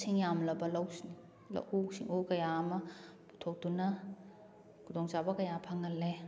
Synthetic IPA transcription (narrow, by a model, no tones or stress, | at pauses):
sʰiŋjamlɐbɐlɐwsini | lɐ̰wʔusḭŋukɐjaɐmɐ | pu̥tʰok̚dunɐ | kʰudoŋt͡ʃabɐkɐjapʰaŋɐlːe